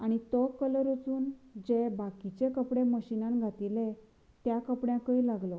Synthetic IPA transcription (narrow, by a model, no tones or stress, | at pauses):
aɽ̃it̪ɔkələɾut͡suːnd͡ʑebakit͡ɕekəpɽeməɕinãnɡʱat̪ile | t̪jakəpɽjãkəilaɡlɔ